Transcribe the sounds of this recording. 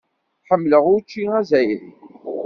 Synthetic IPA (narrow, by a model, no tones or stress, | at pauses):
ħəmːləʁʊɾt͡ʃːiʁæzæjɾḭ